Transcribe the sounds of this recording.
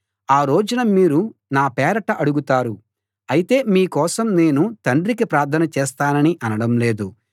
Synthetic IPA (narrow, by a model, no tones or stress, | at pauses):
aːɾoːd͡ʒɐnɐmiːɾunaːpɛːɾɐʈɐʔɐɽuɡut̪aːɾu | ɐjit̪e̞ːmiːkɔːsɐmne̞ːnut̪ɐɳɖɾikipɾaːɾt̪ʰɐnɐt͡ʃɛːst̪aːnɐniʔɐnɐɽɐmleːd̪u